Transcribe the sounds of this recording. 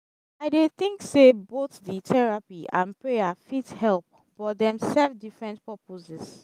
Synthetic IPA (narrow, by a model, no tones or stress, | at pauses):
aɪdeθĩŋkseboθðitʰɛɹapiʔãnpɹejafithɛlp̚ | b̥ɔt̚dɛ̃msɛvdifɹɛ̃ntpɔpozɛs